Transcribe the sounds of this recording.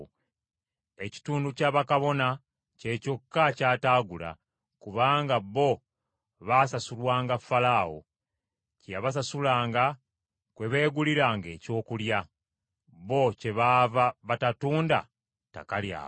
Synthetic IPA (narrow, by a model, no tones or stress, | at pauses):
e̞ci̥tuːnducaːβakaβo̞na | ce̞ːco̞kːacaːtaːɡula̰ | kuβaːŋɡaβːo̞ | βasasulwaːŋɡafːalaːwo̰ | caβas̬asulaːŋɡa | kwe̞βe̞ːɡuliɾaːŋɡe̞ːco̞ːkulja | βo̞ce̞βavaβatatuːnda̰ | ta̰kalja̰ː